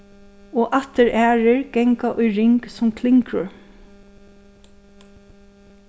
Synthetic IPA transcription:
ɔːʔat̪ɪɹʔæːɹɪɹɡ̥ɛŋkaʔʊjɹɪŋksʊmkʰlɪŋkɾʊ̰ɹ

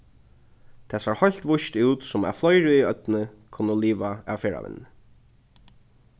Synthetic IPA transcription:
t̪ʰɛːsaɹhɔjl̥t̪ʋʊʃt̪uːt̪sʊma̰flɔjɹiœt̪nɪkʰʊnːəliːʋaa̰ʋfɛːɹa̰ʋɪ̰nːɪ

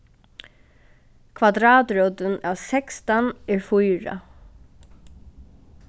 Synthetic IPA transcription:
kʰvad̪ɾɑːt̪ɹɔwt̪ənaːʋsɛkst̪anɛːɹfʊjɹa̰

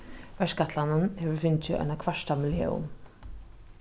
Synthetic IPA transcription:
vɛʂkat̪ʰlanənhɛːʋəɾfɪnt͡ɕɪʔɔ̰jnakʰvaʂt̪amɪljḛːʊ̰m

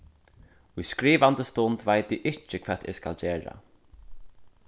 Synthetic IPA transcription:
ʊjskɾiːʋant̪əst̪ʊnt̪vajt̪ɪʔɪt͡ʃɪkʰvɛːt̪ɪ̰ska̰ld͡ʒeːɹa̰

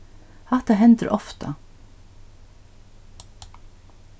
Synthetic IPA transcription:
hɛht̪aɦɛnt̪əɾʔɔft̪ʰɑ̰

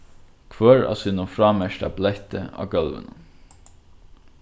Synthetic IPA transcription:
kʰvœːɹa̰ːsiːnʊnfɹaːmɛʃtablɛht̪əa̰ːɡœlʋɪ̰n

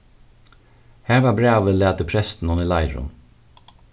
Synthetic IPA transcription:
hæːɹʋɑːbɹɑːʋəlæːt̪əpʰɾɛst̪n̩ɔnɪlɑɪɹʊ̰n

